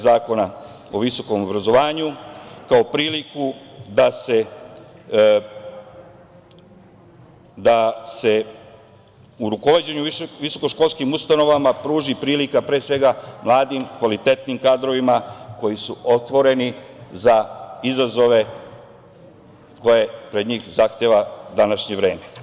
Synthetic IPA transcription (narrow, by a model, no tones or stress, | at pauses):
zaːko̞na | o̞ʋiso̞ko̞mo̞bɾazo̞ʋaːɲukao̞pɾiːlikud̪ase̞ | d̪ase̞ | uɾuko̞ʋad͡ʑeɲuʋiso̞ko̞ʃko̞lˠskimust̪ano̞ʋamapɾuːʒipɾiːlikapɾeːsʋe̞ɡamlˠaːd̪imkʋalit̪e̞t̪nimkaːd̪ɾo̞ʋimako̞jisuʔo̞t̪ʋo̞ɾe̞nizaizazo̞ʋe̞ | ko̞je̞pɾe̞d̪ɲiːxzaxt̪eʋad̪anaʃɲe̞ʋɾeːme